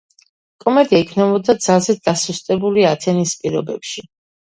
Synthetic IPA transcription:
kʼɔmɛd̪iaikʰnɛbɔd̪ad̪zalˠzɛt̪̚d̪asust̪ʼɛbuliat̪ʰɛnispʼiɾɔbɛ̰pʃi

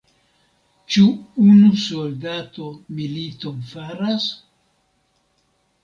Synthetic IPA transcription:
t͡ʃuunusoldatomilitonfaɾas

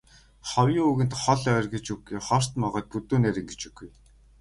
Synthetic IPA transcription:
χɔwjʊːuɣɘ̆nt̪χɔɮœːrɡet͡ɕuɡujχɔr̥t̪mɔʁɔːt̪̚put̪uːnæɾʲɪ̆ŋɡet͡ɕuɡuj

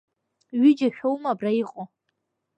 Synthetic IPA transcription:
ɥɪd͡ʒaʃᶣowmabraiqʼo

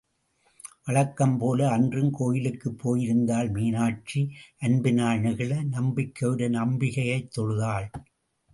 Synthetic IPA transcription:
ʔɐɻɐkːɐmpoːlɐːndrɯmkoːjɪlɯkːɯpʰːoːjɪɾɯnd̪aːlmiːnaːʈ̚t͡ʃːiʔɐnbɪnaːɳɐɣɐɭɐnɐmbɪkːɐʋɪɽɐnɐmbɪɣɐjɐɪt̪ːɔɻɯðaːɭ

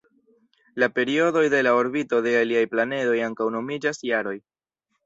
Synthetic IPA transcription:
lape̞ɾio̞do̞jde̞lao̞ɾbito̞de̞aliajplane̞do̞jaŋkawno̞mid͡ʒasjaɾo̞j

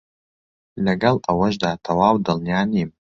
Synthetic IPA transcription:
lɐɡɐlawɐʒdaːtʰawaːwdɐlnjaːnim

